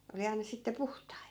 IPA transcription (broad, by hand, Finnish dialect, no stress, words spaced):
oli ɑinɑ sitːe puhtɑit